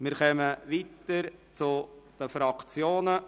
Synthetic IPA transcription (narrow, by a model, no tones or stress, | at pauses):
mɪɾχœməvit̪əɾt͡sʊd̪̥əfɾɑkt͡sjoːnə